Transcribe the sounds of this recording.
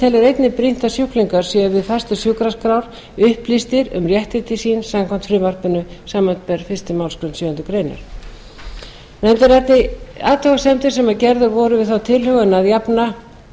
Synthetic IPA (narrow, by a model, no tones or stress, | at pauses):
t̪ʰɛlɪɾejt̪nɪpɾin̥t̪asjuhkliŋkaɾ̥sjɛʏvɪðfḁst̪ʏsjukɾaskɾawɾ̥ | ʏhplist̪ɪɾʏ̰mrjɛht̪ɪt̪ɪsinsamkʰɔm̥t̪fɾɪmar̥pɪnʏsaːmat̪pɛɾ̥fɪrst̪ɪmaːwlskɾʏnsjœːʏnt̪ʏkɾeːjnʏ̰ɾ̥ | nɛmt̪ɪɾɛht̪nɪa̰ːt̪ʰɔɣasɛmt̪ɪ̥sɛmaðcɛɾðʏɾvɔɾʏvɪðθawt̪ʰɪlhʏɣʏnaðjapna